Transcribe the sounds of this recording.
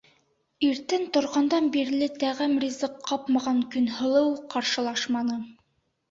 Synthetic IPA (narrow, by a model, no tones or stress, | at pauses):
iɾt̪ɘnt̪ŏɾʁɑnd̪ɑnbiɾlɘt̪æʁɘmrʲizɤqʰːɑpmɑʁɑŋkɵ̆nhɤ̆lˠɤwqɑɾʃɤ̆lˠɑʃmɑnɤ